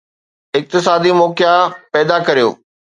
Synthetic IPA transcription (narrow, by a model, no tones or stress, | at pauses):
ɪk̚t̪ɪs̬aːd̪imɔːkijapɛːd̪akɐɾijo̰ː